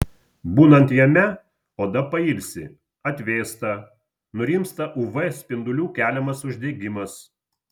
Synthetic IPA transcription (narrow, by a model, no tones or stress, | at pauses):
buːnɐnt̪jɛmʲɛ | oːd̪ɐpɐɪlʲsʲɪ | ɐt̪ʲʋʲeːst̪ɐ | nʊɾʲiːmst̪ɐʔʊʋɛsʲpʲɪnd̪ʊlʲuːkʲæːlʲɛmɐsʊʒʲd̪ʲeːɡʲɪmɐs